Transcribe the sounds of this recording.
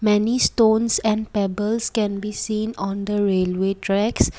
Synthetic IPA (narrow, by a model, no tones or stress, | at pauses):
mɛnistõnsɛ̃npɛbəlskɛ̃nbisĩːnɔ̃nd̪əɾelwetʰɹɛks